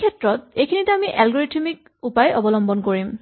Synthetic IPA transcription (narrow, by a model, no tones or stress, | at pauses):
ɛtɹɔt̚ejkʰinitɛamiʔɛlɡɔɹitʰimik̚ | upajʔɔbɔlɔmbɔnkoɹim